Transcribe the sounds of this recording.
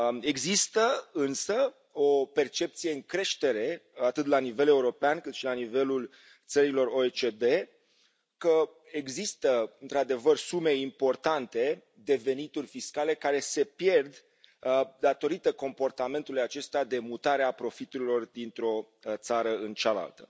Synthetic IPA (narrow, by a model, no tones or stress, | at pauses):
e̞ɡzist̪əɨnsə | o̞pe̞rt͡ʃe̞p̚t̪sijeɨŋkɾe̞ʃt̪e̞ɾe̞at̪ɨt̪lanive̞le̞uɾo̞peankɨt̪ʃilanive̞lul | t̪səɾilo̞ro̞et͡ʃed̪e̞ | kə | eɡzist̪əɨnt̪ɾad̪e̞vərsume̞impo̞rt̪ant̪e̞ | d̪e̞ve̞nit̪urʲfiskale̞kaɾe̞se̞pje̞rd̪ | d̪at̪o̞ɾit̪əko̞mpo̞rt̪ame̞nt̪ulujat͡ʃe̞st̪ead̪e̞mut̪aɾeapɾo̞fit̪uɾilo̞rd̪int̪ɾo̞ | t̪saɾəɨnt͡ʃala̰lt̪ə̥